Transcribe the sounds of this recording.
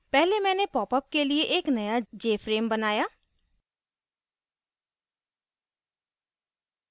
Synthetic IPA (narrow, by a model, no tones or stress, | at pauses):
pɛːɦlemɛ̃ːnepɔːpəp̚kelieʔeːknəjad͡ʒeːfʰɾeːmbənaːjaː